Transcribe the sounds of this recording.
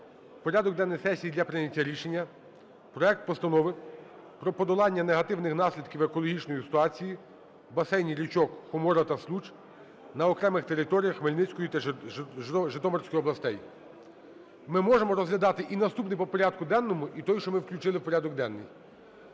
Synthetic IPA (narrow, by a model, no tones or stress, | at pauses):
pɔɾʲad̪ɔɡ̚d̪ɛnːɔjsɛsʲijid̪lʲɐpɾɪnʲɐtʲːɐɾʲiʃenʲːɐ | pɾɔɛk̚t̪̚pɔst̪ɐnɔʋɪ | pɾɔpɔd̪ɔlˠɑnʲːɐneɦɐt̪ɪwnɪxnɑsʲlʲid̪kʲiwekɔlˠɔɦʲit͡ʃnɔjisɪ̥t̪ʊɑt͡sʲiji | bɐsɛjnʲiɾʲit͡ʃɔkxʊmɔɾɐt̪ɐslˠut͡ʃ | nɐɔkɾɛmɪxt̪eɾɪt̪ɔɾʲijɐxmelʲnɪt͡sʲkɔjʊt̪ɐ | ʒɪt̪ɔmɔrsʲkɔjɔblˠɐst̪ɛj | mɪmɔʒemɔɾɔzɦlʲɐd̪ɑt̪ɪʔinɐst̪upnɪjpɔpɔɾʲad̪̚kʊd̪ɛnːɔmʊʔit̪ɔjʃt͡ʃɔmɪwklʲut͡ʃɪlˠɪpɔɾʲad̪ɔɡ̚d̪ɛnːɪ̰j